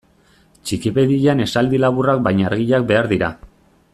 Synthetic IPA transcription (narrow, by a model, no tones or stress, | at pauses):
t͡ʃikipeðiʎane̞sald̪ilaβurak̚bajɲaɾɣiʎak̚be̞aɾðiɾa